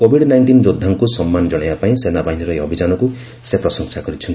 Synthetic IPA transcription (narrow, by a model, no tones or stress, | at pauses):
kobʱiɽnajɳʈind͡ʒod̪ʱːaŋkusɔmːanɔd͡ʒɔɽajbapaĩsenabaɦiniɾɔeɔbʱid͡ʒanɔku | sepɾɔsɔŋsakɔɾit͡ʃʰɔnt̪i